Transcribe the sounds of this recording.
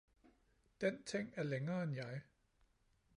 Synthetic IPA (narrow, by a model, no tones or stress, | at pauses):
d̥ent͡sʰeŋ̰æɐleŋɐːenjɑ̈ɪ